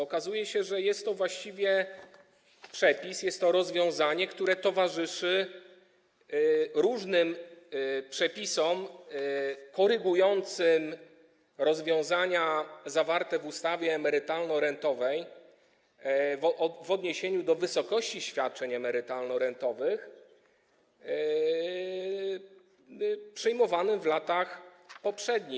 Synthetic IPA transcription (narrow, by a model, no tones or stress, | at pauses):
ɔkazujɛɕɛʐɛjɛst̪ːɔvwaɕt͡ɕivʲjɛ | pʂɛpʲisjɛst̪ːɔɾɔzvʲjɔ̃w̃zaɲɛkt̪uɾɛt̪ɔvaʐɘʂɘ | ɾuʐnɘm | pʂɛpʲisɔm | kɔɾɘɡujɔnt̪sɘm | ɾɔzvʲjɔ̃w̃zaɲazavaɾt̪ɛvust̪avʲjɛːmɛɾɘt̪alnɔɾɛnt̪ɔvɛj | vvɔd̪ɲeɕeɲud̪ɔvɘsɔkɔɕt͡ɕiɕfʲjat̪̚t͡ʂɛɲɛmɛɾɘt̪alnɔɾɛnt̪ɔvɘx | pʂɛjmɔvanɘmvlat̪axpɔpʂɛd̪ɲi